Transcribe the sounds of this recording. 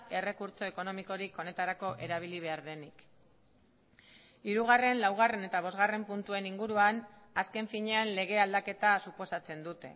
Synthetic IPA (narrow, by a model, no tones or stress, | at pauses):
e̞re̞kuɾt͡so̞e̞ko̞no̞miko̞ɾiko̞ne̞t̪aɾako̞ʔe̞ɾaβ̞iliβ̞e̞aɾðe̞nik | iɾuɣ̞are̞nlawɣ̞are̞ne̞t̪aβ̞o̞zɣare̞mpunt̪ue̞niŋɡuɾuan | aske̞ɱfiɲe̞anle̞ɣ̞e̞ald̪ake̞t̪asupo̞sat͡se̞nd̪ut̪e̞̰